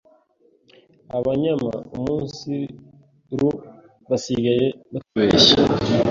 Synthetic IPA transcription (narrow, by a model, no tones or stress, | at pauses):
aβaɲama̰umuːnsi | ɾu | βasiɡaje̞nakuβeːʃa